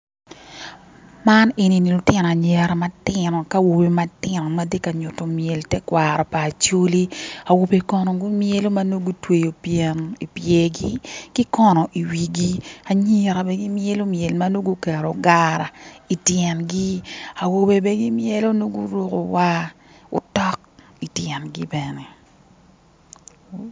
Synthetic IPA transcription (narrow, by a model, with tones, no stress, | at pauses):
ma˦ne˨ni˨ni˨lʊ˨tɪ˦nɔ˨a˨ɲɛ˨ɾama˦tɪnɔ˨ka˦wo˨be˨ma˦tɪ˦nɔ˨ma˦de˦ka˨ɲʊ˨to˨mje˨ltɛ˦kwa˨ɾɔ˨paː˨t͡ʃo˦li˦a˨wo˨be˨kɔ˨nɔ˨ɡu˦mje˦lo˦ma˦no˦ɡu˦twe˨jo˨pjɛ˨ni˨pje˨ɡi˦kɪ˦kɔ˦nɔ˨ʔi˨wi˨ɡi˦a˨ɲi˦ɾa˨bɛ˦ɡi˦mje˦lo˦mje˨lma˦no˦ɡu˦kɛ˨ɾo˨ɡaɾa˨i˨tjɛ˨nɡi˦a˨wo˨be˨be˦ɡi˦mje˦lo˦no˦ɡu˦ɾo˦ko˨wa˦ | ʊ̰˦tɔ˦k̚ | i˨tjɛ˨nɡi˦bɛnɛ˨